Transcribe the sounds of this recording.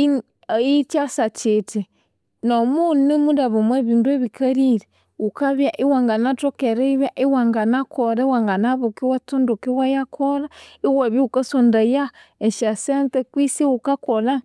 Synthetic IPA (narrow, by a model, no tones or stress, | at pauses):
it͡ʃasat͡ʃeti | nomunimudaβomweβindueβikaɾiɾe | ukaβjaʔiwaŋɡanatokeɾeiβjaʔiwaŋɡanakʰoɾawaŋɡanaβokiwatundukiwajakʰolaiwaβiukasondajaeʃasentekwisiukakola